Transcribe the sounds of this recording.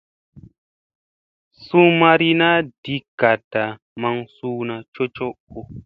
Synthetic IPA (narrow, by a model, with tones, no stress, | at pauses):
su˦ma˦ɾi˦na˦d̥i˦ka˨da˨ | ma˧ŋsuː˦na˨t͡ʃo˦t͡ʃo˦ko˦